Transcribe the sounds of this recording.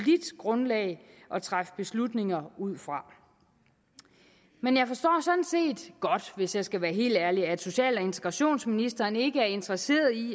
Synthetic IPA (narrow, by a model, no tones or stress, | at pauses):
lid̥ɡ̥ʁɔ̽nlɛ̰ːɪ | ʔɒ̽t͡sʰʁafə̥b̥e̝slud̥ne̝ŋɐuð̞̰ˠfʁɑ̈ | menjɑ̈ɪfɒ̽sd̥ɒ̰ːsɒ̽n̥n̩se̝̰ːd̥ɡ̥ɒ̽d̥ʋe̝sjɑ̈ɪsɡ̥æʋæːɐɦe̝̰ːld̥æɐliæd̥so̝ɕɛ̰ːlɒe̝nt͡sʰeɡ̥ʁɑ̈ɕo̝̰ːnsminisd̥ɐːne̝ɡ̥əæɐe̝nd̥ʁɐse̝̰ːɐðˠi